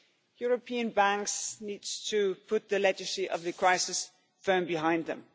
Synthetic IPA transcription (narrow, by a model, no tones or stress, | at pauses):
jʊɹəpʰĩə̃nbæ̃ŋksnidz̥tʰəpʰʊt̪̚ðɨlɛd͡ʒəsiʔʌvðɨkʰɹ̥aɪsɪs | fɜ̃˞mbɪɦãɪ̃nd̪ðə̰̃m